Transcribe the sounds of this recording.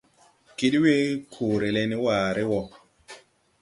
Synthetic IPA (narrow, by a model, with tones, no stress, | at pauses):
ki˦dwe˦kʰu˨ɾe˨lɛ˦nɪ˦waː˨ɾɪ˦wɔ˦